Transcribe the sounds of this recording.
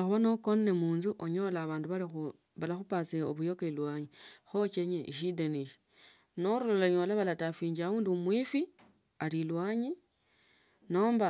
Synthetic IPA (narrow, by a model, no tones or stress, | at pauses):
xuβanokonnemuːnzuʔoɲo̞laːβaːnduβalix | βalaxupat͡seo̰βujo̞kelwaɲixot͡ʃeɲeiʃ̬ideniʃi̥ | noɾuloloɲo̞laβalatafiːɲd͡ʒauːndiumwifi | alilwaɲi | no̞ːmba